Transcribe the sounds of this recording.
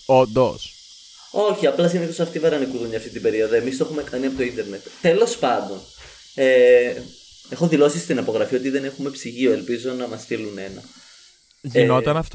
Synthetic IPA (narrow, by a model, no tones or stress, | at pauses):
ond̪os | o̞çiɐplɐsiniθosɐft̪ivɐɾɐnikuðuɲɐft̪it̪ibe̞ɾio̞ðoe̞mist̪oxumekɐniɐpo̞t̪oind̪e̞ɾne̞t̪t̪e̞lo̞spɐnd̪o̞n | e | e̞xo̞ðilo̞sist̪inɐpo̞ɣɾɐfio̞t̪iðe̞ne̞xume̞psiʝio̞e̞lpizo̞nɐmɐst̪ilune̞nɐ̰ | ʝeno̞t̪ɐnɐft̪